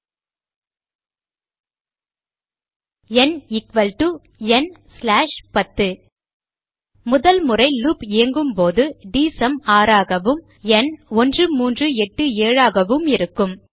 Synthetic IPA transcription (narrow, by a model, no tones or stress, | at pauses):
ɛnɪkʋɐlʈu | ɛnslaːʂpɐt̪ːɯ | mʊðɐlmʊrɐɪluːpeːŋɡɯmpoːðɯɖiːsɐmaːɾaːɣɐʋɯm | ɛnɔndrɯmuːndrɯɛʈːɯeːɻaːɣɐʋɯmɪɾɯkːɯm